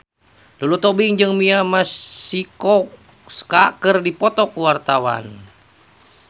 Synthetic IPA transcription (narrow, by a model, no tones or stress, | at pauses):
dulut̪ɔbiŋd͡ʒɨŋmiamassiko | skakɨrdipɔt̪ɔkuwart̪awa̰n